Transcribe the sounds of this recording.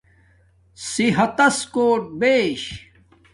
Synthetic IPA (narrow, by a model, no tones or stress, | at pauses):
siɦɐt̪ɐskoːʈ̚beːɕ